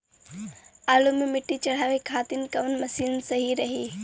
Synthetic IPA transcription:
aːlumimɪʈːit͡ʃɐɽ̤aːʋekʰaːt̪ɪnkɐʋənmɐsiːlnsɐɦiɾɐɦiː

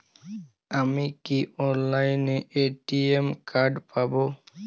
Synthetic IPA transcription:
amikiɔnlajneʔeʈiemkaɖpabo

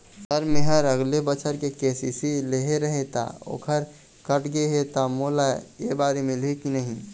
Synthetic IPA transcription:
səɾmeɦəɾəɡlebət͡ʃʰəɾkekesisileɦeɾəɦet̪a̰o̰ːkʰəɾ | kəʈɡeɦet̪amolajebaːɾemelɦekinəɦĩ

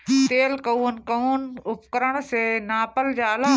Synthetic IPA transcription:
t̪eːlkəuːnkɐuːnʊpkəɾəɽ̃senaːpəld͡ʒaːla

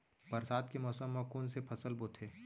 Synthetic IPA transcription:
bɐɾsaːd̪kemɔːsəmːãkoːnsepʰɐsəlboːt̪ʰeː

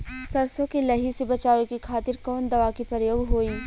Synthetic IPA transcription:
sɐɾsõkilɐɦisebɐt͡ʃaːʋekikʰaːt̪ɪɾkɔːnd̪ɐʋaːkipɐɾəjoːɡɦoːiː

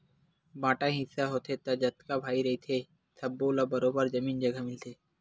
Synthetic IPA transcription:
bãːʈãɦɪsaɦoːt̪ʰet̪ɐd͡ʒɐt̪kabʱaːiɾɐit̪ʰeː | sʰɐbːoːlabɐɾoːbəɾd͡ʒɐmiːnd͡ʒɐɡʱamɪlt̪ʰeː

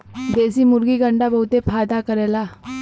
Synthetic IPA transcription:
b̪ed͡zimuɾɡiːɡəɳɖabəɦut̪epʰajd̪akəɾɛla

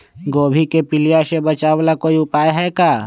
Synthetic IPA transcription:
ɡoːbʱikepɪlijasebət͡ʃaːʋlakoːiʊpaːjɦɛːkaː

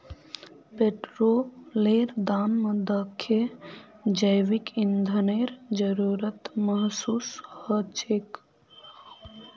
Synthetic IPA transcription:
peʈɾoːleːɾd̪aːnməd̪əkʰːe | d͡ʒəjʋikind̪ʱəneːɾd͡ʒəɾuːɾət̪məɦsuːshət͡ʃeːk

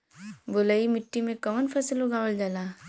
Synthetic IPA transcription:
bʊləimɪʈːimẽkɐmənpʰɐsəlɦoɡaːʋəld͡ʒalaː

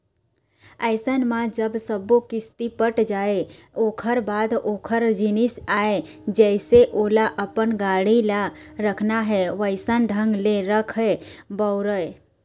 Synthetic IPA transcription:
əɪsənmad͡ʒəbsəbokɪst̪ipəʈd͡ʒaeokʰəɾbad̪okʰəɾd͡ʒinisae | d͡ʒəseʔolaʔəpənɡaɽilaɾəkʰnaɦɛʋəɪsənɖʱəŋɡleɾəkʰebəʊɾəj

